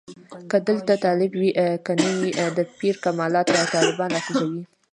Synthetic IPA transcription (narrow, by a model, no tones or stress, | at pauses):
kəd̪əlt̪at̪ɑlɪbwiʔkənəwid̪əpiɾkamɑlɑt̪bat̪ɑlɪbɑnɑxuzawi